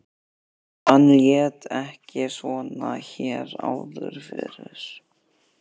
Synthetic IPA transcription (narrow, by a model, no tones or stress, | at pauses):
anljɛːt̪ɛhcɪsvɔːnaçɛːɾaːwðʏɾ̥fɪɾɪɾ̥